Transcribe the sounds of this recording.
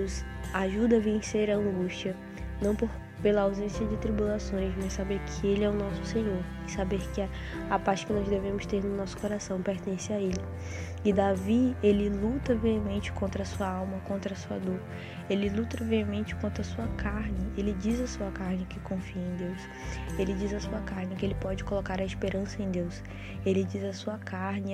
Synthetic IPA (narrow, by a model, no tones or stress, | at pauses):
ʊs | aʒud̪ɐavẽseɾɐɐ̃ŋɡuʃt͡ʃiɐ | nɐ̃w̃poɾ | pelɐawzẽsiɐd͡ʒɪt̪ɾibulasõj̃zmassabeɾkʰɪelɪɛʊnɔsʊ̥sẽɲoɾ | ɪsabeɾkɪ | apaɾt͡ʃɪ̥kɪnɔzd̪evẽmʊst̪eɾnʊnɔsʊ̥koɾasɐ̃w̃peɾt̪ẽsɪaelɪ | ɪd̪avielɪlut̪ɐviɐmẽnt͡ʃɪ̥kõnt̪ɾɐsuɐawmɐkõnt̪ɾɐsuɐd̪oɾ | elɪlut̪ɾɐviɐmẽnt͡ʃɪ̥kõnt̪ɾɐsuɐkaɾnɪelɪd͡ʒizɐsuɐkaɾnɪkɪkõfiẽd̪ews | elɪd͡ʒizɐsuɐkaɾnɪkɪelɪpɔd͡ʒɪkolokaɾɐispeɾɐ̃sɐẽj̃d̪ews | elɪd͡ʒizɐsuɐkaɾnɪ